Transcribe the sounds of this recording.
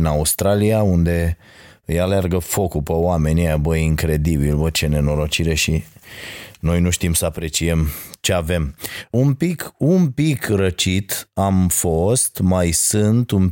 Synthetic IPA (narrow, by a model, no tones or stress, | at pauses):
naust̪ɾalijaund̪e̞ | ɨjalearɡəfo̞kupəoame̞nʲiebəjiŋkɾe̞d̪ibilbət͡ʃe̞ne̞no̞ɾo̞t͡ʃiɾe̞ʃi | no̞jnuʃt̪imsəapɾe̞t͡ʃiemt͡ʃe̞ave̞mumpikumpikrət͡ʃit̪amfo̞st̪majsɨnt̪um